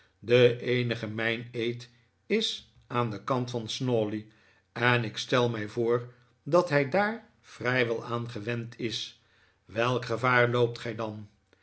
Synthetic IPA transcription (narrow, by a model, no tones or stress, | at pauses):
dəʔejnəχəmɛjnejt | ɪs | aːndəkɑntfɑnsnoːli | ɛnɪkstɛlˠmɛjvoːɹ | dɑtɦɛjdaːɹ | v̥rɛjʋɛlˠaːnχəʋɛntʰɪs | ʋɛlˠkχəvaːɹlowp̚tχɛjdɑn